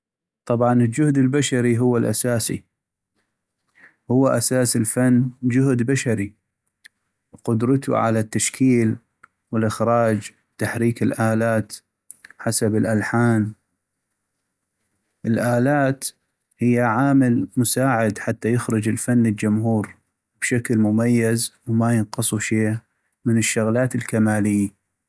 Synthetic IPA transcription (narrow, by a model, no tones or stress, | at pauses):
t̪ˤɑbʕɑnɪld͡ʒʊhd̪ɪlbaʃaɾiɦʊwːalʔa̰saːsḭ | hʊwːaʔasaːsɪlfanːd͡ʒʊhd̪baʃaɾi | qʊd̪ɾˤɑt̪ʰṵʕa̰lat̪ːaʃkʰiːl | wɪlʔɪxɾˤɑːd͡ʒ | t̪ːaħɾiːkɪlʔaːlaːt̪ | ħasabɪlʔalħaːn | ʔɪlʔaːlaːt̪ | hɪjːaʕaːmɪlmʊsaːʕɪd̪ħat̪ːajɪxɾɨd͡ʒɪlfanːɪld͡ʒʊmhuːɾ | b̥ʃaklmʊmajːazwmajɪnqɑsˤuʃeː | mɪnɪʃːʊɣlaːt̪ɪlkamaːlɪjːa